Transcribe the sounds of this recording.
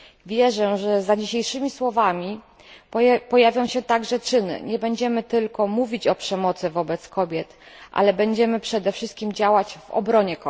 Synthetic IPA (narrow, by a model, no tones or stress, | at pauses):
vʲjɛʐɛʐɛzad͡ʑiɕejʂɘmʲiswɔvamʲi | pɔjavʲjɔ̃w̃ɕɛt̪aɡʐɛt͡ʂɘnɘ̰ɲɛbɛɲd͡ʑɛmɘt̪ɘlkɔmuvʲit͡ɕɔpʂɛmɔt̪sɘvɔbɛt̪skɔbʲjɛt̪ʔa̰lɛbɛɲd͡ʑɛmɘpʂɛd̪ɛfʂɘst̪̚kʲimd͡ʑawat͡ɕvɔ̰bɾɔɲɛkɔ